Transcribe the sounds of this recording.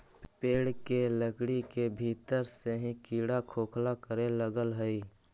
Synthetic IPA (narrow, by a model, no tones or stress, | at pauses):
peːɽkeləɡɽikebʱiːt̪əɾseɦĩkiːɽakʰoːkʰlakəɾeləɡəlɦəi